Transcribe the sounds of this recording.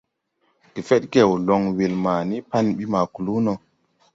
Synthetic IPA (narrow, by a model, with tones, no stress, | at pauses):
ki˨fɛ˦ɗɡɛ˨wlɔ˨ŋwe˨lma˨ni˦pa˦nɓi˦ma˨ku˨lu˦nɔ˨